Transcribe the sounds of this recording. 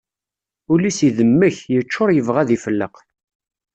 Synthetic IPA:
ulisiðəmːəçjət͡ʃːʊɾˤjəvʁæðifəlːə̰q

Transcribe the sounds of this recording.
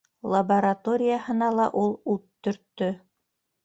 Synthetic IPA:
lˠɐbɐɾat̪oɾʲɪjahɤ̆nɑlˠɑʔulˠut̪ːɵ̆ɾt̪ːɵ

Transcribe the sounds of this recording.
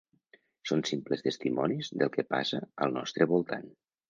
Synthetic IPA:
sonsimpləst̪əst̪imɔnizðəlˠkəpa̰səəlˠnɔ̰st̪ɾəβulˠt̪a̰n

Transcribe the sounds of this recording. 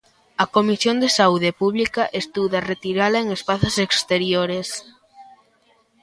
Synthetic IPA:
ɐkomisjond̪esauðepuβlikɐʔest̪uðɐret̪iɾalɐeŋespaθosekst̪eɾjoɾes

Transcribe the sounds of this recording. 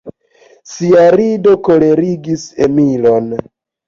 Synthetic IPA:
siaɾido̞ko̞le̞ɾiɡisemilo̞n

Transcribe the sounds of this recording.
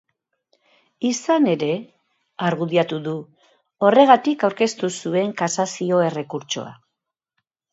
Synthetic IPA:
isane̞ɾe̞ | aɾɣuðiat̪uðu | o̞re̞ɣ̞at̪ikawɾke̞st̪usue̞ŋkasasio̞e̞re̞kuɾt͡ʃo̞̰a̰

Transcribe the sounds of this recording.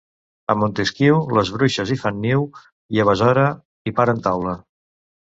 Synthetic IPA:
əmont̪eskiwləzβɾuʃəzifanːiw | iəβ̞əzɔɾə | ipaɾənt̪awlə

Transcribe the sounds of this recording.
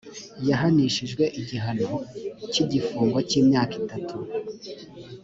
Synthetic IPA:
jaɦaniʃiʒɡwe̞ʔiɟiɦano̞ciɟifuːŋɡwaciːmɲaːkitatʰu

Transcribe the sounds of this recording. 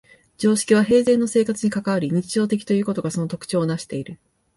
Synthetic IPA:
d͡ʑo̞ːɕi̥kʲiβ̞aɦe̞ːze̞ːnːo̞se̞ːkat͡sɨɲ̟ikakaβaɾʲiɲ̟it͡ɕiʑo̞ːt̪e̞k̬ʲi̥t̪o̞jɯ̟ːko̞t̪o̞ɡaso̞no̞t̪o̞kɯ̟̥t͡ɕo̞ːnaɕi̥t̪e̞iɾɯ̟

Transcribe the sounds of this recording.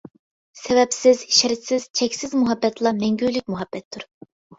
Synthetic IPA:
sɛvɛpsɪziʃɪɾɪt̪sɪz̥t͡ʃʰɛkʲsɪzmuɦɑbːɛt̪lˠɑmɛŋɡʲylyk̚ʲmuɦɑb̥ːɛt̪ʰːʊɾ

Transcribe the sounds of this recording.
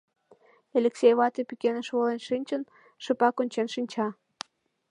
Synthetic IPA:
elʲeksʲejβɑt̪epikenəʃβolenʃinʲt͡ɕən | ʃəpɑkonʲt͡ɕenʃinʲt͡ɕɑ

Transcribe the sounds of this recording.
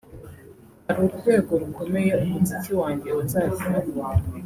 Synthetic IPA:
aɾoɾukeːɡoɾuko̞mejeomusiciwaːɲɟeotaːɾnaβɡaːβo

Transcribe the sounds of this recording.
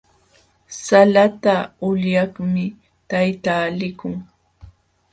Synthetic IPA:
salat̪aʊʎjɑχmɪ | t̪ajt̪aːlɪkʊŋ

